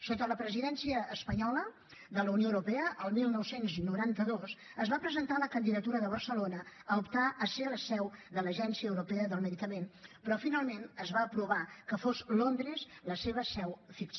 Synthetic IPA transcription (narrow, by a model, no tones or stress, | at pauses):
sot̪ələpɾəziðɛnsiəːspəɲɔlə | ðələunioəwɾupɛəʔəlˠmilˠnɔwsenznuɾant̪əðos | əzβapɾəzənt̪aləkənd̪iðət̪uɾəðəβərsəlonəəupt̪aʔəseləsɛwðələʒɛnsiəːwɾupɛəðəlˠməðikəmenpɾɔfinalˠmenəzβaəpɾuβakəfozlond̪ɾezləseβəsɛwfiks